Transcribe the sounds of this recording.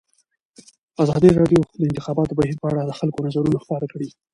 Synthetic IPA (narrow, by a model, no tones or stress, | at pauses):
azɑd̪iɾɑɖjod̪əɪnt̪ɪxɑbɑt̪obahiɾpəaɽad̪əxalkonazaɾunaxpɑɾakɽi